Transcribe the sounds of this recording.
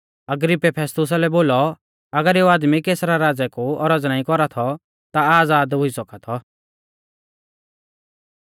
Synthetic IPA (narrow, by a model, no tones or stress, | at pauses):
ɐɡɾɪpːɛpʰɛːst̪ʊs̬alɛboːlɔ | ɐɡəɾeuaːd̪mikeːsɾaɾaːd͡zɛkuɔɾəd͡znaĩkɔɾat̪ʰɔ | t̪aaːd͡zaːd̪ɦʊisɔkat̪ʰɔ